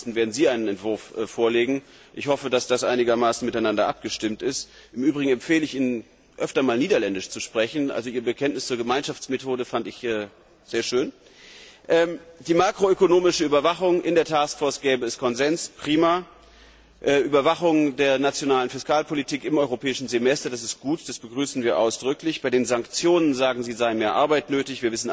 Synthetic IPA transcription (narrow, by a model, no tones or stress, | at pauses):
stn̩veːɐdn̩ziːaɪnənɛntv̥ʊɐfʔfoːɐleːɡŋ̩ | ʔɪçhɔfədasd̥asʔaɪnɪɡɐmaːsn̩mɪtaɪnandɐʔa̰p̚ɡ̥əʃtɪmtɪst | ʔɪmʔyːbʁɪɡŋ̩ɛmfeːləɪçʔiːnən | ʔœftɐmaːlniːdɐlɛndɪʃt͡suʃpʁ̥ɛçn̩ʔa̰lzoʔiːɐbəkʰɛntnɪst͡suːɐɡəmaɪnʃaft͡smetʰoːɾəfantɪçɛː | z̥eːɐʃøːn | ʔɛmd̥iːmaːkʁ̥oøkonoːmɪʃəyːbɐvaχʊŋʔɪndeːɐtʰaːskfoɐsɡ̥ɛːbəɛskʰɔnzɛnspʁ̥iːma | ʔɛːʔyːbɐvaχʊŋdeːɐnat͡sjonaːlənfɪskaːlpʰolitʰiːkɪmʔɔʏʁopʰɛːɪʃn̩zemɛstɐdas̬ɪst̚ɡ̥uːtd̥asb̥əɡʁyːsn̩viːɐʔa̰ʊsd̥ʁʏklɪçb̥aɪdeːnzaŋkt͡sjoːnənzaːɡŋ̩ziːzaɪənmeːɐʔa̰ɐbaɪtnøːtɪçv̥iːɐvɪsn̩